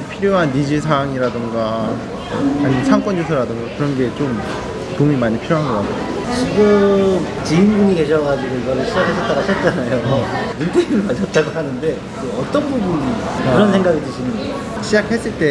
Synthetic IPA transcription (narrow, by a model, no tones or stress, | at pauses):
pʰiɾjoɦanːid͡ʑis̬ʰaŋiɾadɯŋɡa | aɲisʰaŋk͈ʌnd͡ʑosʰʌɾadɯŋɡakɯɾʌnɡe̞t͡ɕom | tomimaɲipʰiɾjoɦanɡʌk͈atʰee | t͡ɕiɡɯmt͡ɕiinɡuɲiɡe̞ɕʰʌɡad͡ʑiɡoiɡʌɾɯɭɕʰid͡ʑakʰes͈ʌt͈aɡaɕʰʌt̚t͡ɕ͈anajomuntʰeimɯɭkat͡ɕʰʌt̚t͈aɡoɦanɯnde̞ | eʌt͈ʌnbubuniiɾʌnsʰe̞ŋɡaɡitɯɕʰinɯn | ɕʰid͡ʑak̚ʰhe̞s͈ɯɭt͈e̞